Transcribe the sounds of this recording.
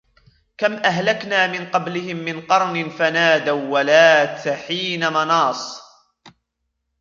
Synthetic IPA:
kamʔaɦlaknaːmɪnqɑblɪhɪmːɪnqɑɾˤnɪnfanaːd̪awːalaːt̪ħiːnamɑnɑːsˤ

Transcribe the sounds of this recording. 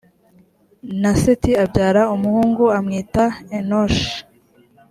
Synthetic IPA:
nasitiabɟaːɾaumuhuːŋɡuamŋiːtaenoʃ

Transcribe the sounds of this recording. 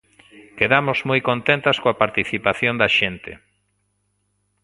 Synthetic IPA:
keðamozmojkont̪ent̪askoapaɾt̪iθipaθjõnd̪ɐʃent̪ḛ

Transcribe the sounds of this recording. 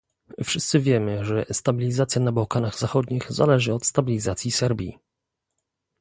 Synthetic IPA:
fʂɘst̪sɘvʲjɛmɘʐɛst̪abʲilʲizat̪sʲjanabawkanaɣzaxɔd̪ɲixzalɛʐɘɔt̪st̪abʲilʲizat̪sʲjisɛɾbʲjḭ

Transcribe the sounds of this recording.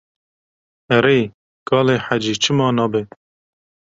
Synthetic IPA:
ɛɾeː | kɑːleːħad͡ʒiːt͡ʃʰɨmɑːnɑːbe

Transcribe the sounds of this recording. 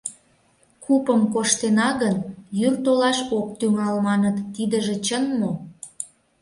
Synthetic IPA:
kupəmkoʃt̪enɑɣənjyrt̪olɑʃok̚t̪yŋɑlmɑnət̪ːid̪əʒĕt͡ɕənmo

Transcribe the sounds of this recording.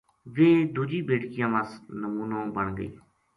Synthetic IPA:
ʋeːd̪uːd͡ʒiːbeːɽkɪjãːʋəsnəmuːnõːbəɳɡə̰ḭː

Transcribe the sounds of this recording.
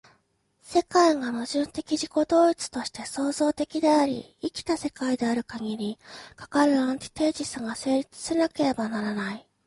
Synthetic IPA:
se̞kaiɡanoʑɨ̃nt̪e̞kʲiʑiko̞d̪o̞ːit͡sɨ̥t̪o̞ɕi̥t̪e̞so̞ːzo̞ːt̪e̞kʲid̪e̞aɾʲḭ | ikʲi̥t̪ase̞kaid̪e̞aɾɯ̟kaɡʲiɾʲikḁkaɾɯ̟ãɲ̟t̪ʲi̥t̪e̞ːd͡ʑisɨɡase̞ːɾʲit͡sɨ̥senake̞ɾe̞banaɾanai

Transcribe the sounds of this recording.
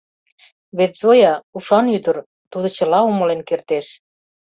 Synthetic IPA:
βet̪zojɑuʃɑnyd̪ə̆r | t̪ud̪ŏt͡ɕə̆lɑomə̆lenkert̪eʃ

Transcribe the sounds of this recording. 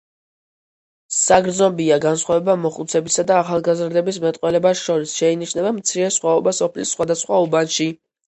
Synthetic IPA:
saɡɾd̪znɔbiaɡansχwavɛbamɔχut̪sʰɛbisad̪aːχalˠɡazɾd̪ɛbismɛt̪ʼqʼwɛlɛbasʃɔɾisʃɛiniʃnɛbamt̪sʰiɾɛsχwaɔbasɔpʰlisːχwad̪asχwaubanʃi

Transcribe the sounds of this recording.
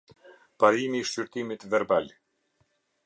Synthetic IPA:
paɾimiːʃt͡ɕyɾt̪imit̪vɛɾbal

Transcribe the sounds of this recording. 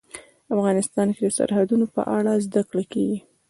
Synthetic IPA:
afɣɑnɪst̪ɑnked̪əsa̰ɾhad̪unopə̰ʔaɽazd̪akɽakeɡi

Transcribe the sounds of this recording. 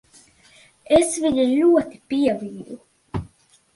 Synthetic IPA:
esviɲilʲuɔt̪i̥piɛviːd̪u

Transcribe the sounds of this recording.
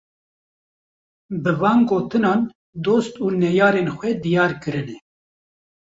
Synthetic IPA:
bɨvɑːnɡoːt̪ɨnɑːn | d̪oːst̪uːnɛjɑːɾenxʷɛd̪ijɑːɾkɨɾɨnɛ

